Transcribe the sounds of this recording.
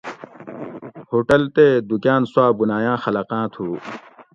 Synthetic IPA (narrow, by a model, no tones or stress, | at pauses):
hoːʈɐlt̪ed̪ukjãːnswaːbunaːjãːxɐlɐqãːt̪ʰuː